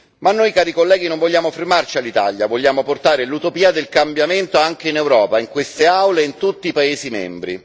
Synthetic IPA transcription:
manːojkaːɾikolːɛːɡinoɱvoʎːaːmofermart͡ʃialːit̪a̰ʎjavoʎːaːmoport̪aːɾelut̪opiːad̪elkambjament̪oaŋk̟einɛwɾɔːpaiŋkwest̪eawleint̪ut̪ːiːpaeːsimɛ̰mbɾḭ

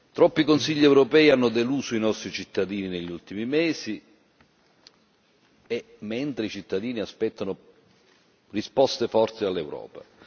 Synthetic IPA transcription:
t̪ɾɔpːikonsiʎːiɛwɾopɛːianːʊd̪eluːzoinɔst̪ɾit͡ʃit̪ːad̪iːnineʎːult̪imimɛːsi | ɛ | mɛnt̪ɾeit͡ʃit̪ːad̪iːniaspɛt̪ːanʊ | rispɔst̪efɔrt̪sealːɛwɾɔ̰ːpa

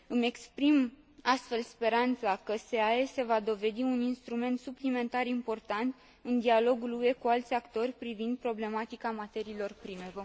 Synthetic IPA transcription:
ɨme̞kspɾim | ast̪fe̞lspe̞ɾant̪sakəse̞ae̞se̞vad̪o̞ve̞d̪iuninst̪ɾume̞nt̪suplime̞nt̪aɾimpo̞rt̪ant̪ | ɨnd̪ialo̞ɡulue̞kualt̪sʲakt̪o̞rʲpɾivind̪̚pɾo̞ble̞mat̪ikamat̪e̞ɾiːlo̞rpɾime̞v

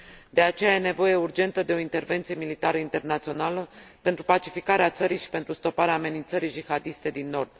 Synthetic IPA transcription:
d̪̥e̞at͡ʃe̞jaje̞ne̞vo̞je̞urd͡ʒe̞nt̪əd̪e̞o̞int̪e̞rve̞nt̪sije̞milit̪aɾəint̪e̞rnat̪sio̞naləpent̪ɾupat͡ʃifikaɾeat̪səɾijʃi̥pe̞nt̪ɾust̪o̞paɾeaːme̞nint̪səɾid͡ʒixad̪ist̪e̞d̪inːo̞rd̪̥

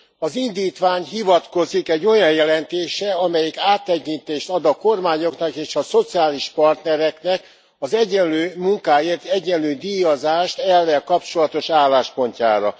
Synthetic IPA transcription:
ɒzind̪iːt̪ʋaːɲɦivɒt̪ko̞zikɛɟːo̞jɒjjɛlɛnt̪eːʃɛɒmɛjɛkaːt̪ːɛkint̪eːʃt̪ɒd̪ɒko̞rmaːɲo̞knɒkeːʃɒso̞t̪siaːliʃpɒrt̪nɛɾɛknɛk | ɒzɛɟːɛnløːmuŋkaːeːrt̪ɛɟːɛnløːd̪iːjozaːʃt̪ɛlːɛlkɒp̚t͡ʃo̞lɒt̪o̞ʃaːlːaːʃpo̞ɲca̰ːɾɒ̰

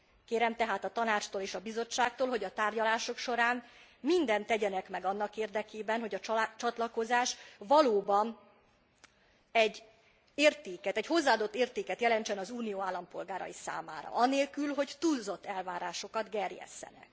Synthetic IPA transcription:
keːɾɛmt̪ɛɦaːt̪ɒt̪ɒnaːt͡ʃt̪oːleːʃɒbizo̞t͡ʃːaːk̚t̪oːlɦo̞ɟɒt̪aːrɟɒlaːʃo̞kʃo̞ɾaːnmind̪ɛnt̪ɛɟɛnɛkmɛɡɒnːɒkeːrd̪ɛkeːbɛnɦo̞ɟɒt͡ʃɒt̪lɒko̞zaːʃvɒloːbɒn | ɛɟː | eːrt̪eːkɛt̪ɛcho̞zːaːd̪o̞t̪ːeːrt̪eːkɛt̪jɛlɛnt͡ʃɛnɒzuːnijoːaːlːɒmpo̞lɡaːɾɒ̰jisa̰ːma̰ːɾɒ̰ʔɒneːlkylɦo̞ɟt̪uːzo̞t̪ːɛlvaːɾaːʃo̞kɒd̪ɡɛrjɛ̰sːɛ̰nɛ̰k

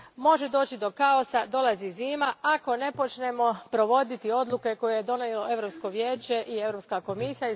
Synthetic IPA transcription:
mo̞ʒe̞d̪o̞ːt͡ɕid̪o̞kao̞sad̪o̞laziziːmaako̞ne̞po̞t͡ʃne̞mo̞pɾo̞ʋo̞d̪it̪io̞d̪lˠuke̞ko̞jejed̪o̞nejelo̞e̞ʋɾopsko̞ʋjeːt͡ɕe̞ʔie̞vɾopskako̞misija

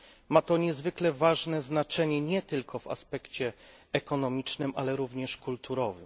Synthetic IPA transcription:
mat̪ɔɲɛzvɘklɛvaʐnɛznat͡ʂɛɲɛɲɛt̪ɘlkʰɔva̰spɛkt͡ɕɛɛkɔnɔmʲit͡ʂnɘmʔalɛɾuvɲɛʂkult̪uɾɔvɘ̰m

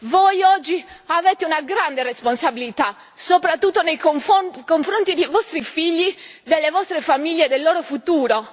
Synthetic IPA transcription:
vojɔd͡ʒːiavɛːt̪eunaɡɾand̪eresponsabilit̪a | sopɾat̪ːut̪ːonejokoɱfɾont̪id̪ejvɔst̪ɾifiʎːid̪elːevɔst̪ɾefamiʎːed̪elːoːɾofut̪uːɾo

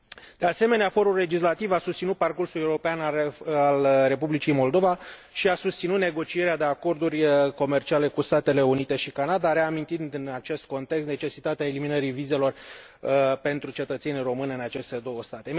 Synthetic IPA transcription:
d̪̥e̞ase̞me̞neafo̞ɾulle̞d͡ʒis̬lat̪ivasust̪sinut̪̚parkursule̞uɾo̞peanalre̞publit͡ʃijmo̞ld̪o̞vaʃiasust̪sinut̪ne̞ɡo̞t͡ʃie̞ɾead̪e̞ako̞rd̪urʲko̞me̞rt͡ʃiale̞kust̪at̪e̞le̞unit̪e̞ʃikanad̪aɾe̞amint̪ind̪ɨnat͡ʃe̞st̪̚ko̞nt̪ekst̪ne̞t͡ʃe̞sit̪at̪eae̞liminəɾivize̞lo̞r | pe̞nt̪ɾut͡ʃe̞t̪ət̪se̞nʲiro̞mɨnɨnat͡ʃe̞st̪e̞d̪o̞wəst̪at̪e̞

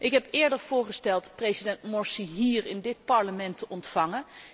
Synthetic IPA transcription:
ʔɪkɦɛpɪːɹdəɹv̥ʊːɹχəstɛlˠtprezidɛntmɔɹsiɦiːɹɪndɪt̚pɑɹləmɛntəʔɔntfɑŋən

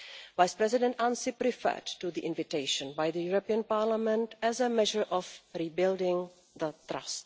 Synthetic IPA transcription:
vajspɾɛzɪdɛ̃ntãnsɪpɾɪfɛ̰ːdtuðiʔɪ̃nvɪteɪʃə̃nbajðəjuɹopiə̃npaɾlamɛ̃ntɛzəmɛʒəɹʔɔfɾibɪldɪ̃ŋ | ðət̪ɾa̰st

